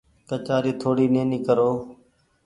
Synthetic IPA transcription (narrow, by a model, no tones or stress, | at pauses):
kət͡ʃaːɾiːt̪ʰoːɽiːneːnĩːkəɾoː